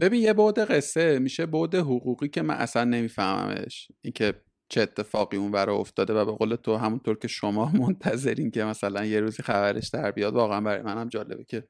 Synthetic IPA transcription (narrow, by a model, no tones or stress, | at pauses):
b̥e̞biːnje̞bod̪e̞ɣe̞sːe̞miːʃebod̪eɦoɣuːɣiːcʰe̞mæ̰nʔæ̰slænːe̞miːfæhmæ̰mḛʃʔiːncʰe̞ | t͡ʃʰeːt̪ʰːe̞fɒːɣiːunvæɾɒoft̪ɒːd̪evæbe̞ɣoːlet̪ʰoɦæmunt̪ʰoːɾcʰe̞ʃomɒːmont̪ʰæze̞ɾincʰemæsælænje̞ɾuːziːxævæɾʔe̞ʃd̪æɾbijɒd̪vɒːɣeænbæɾɒ̰jmænæmd͡ʒɒːle̞̰becʰe̞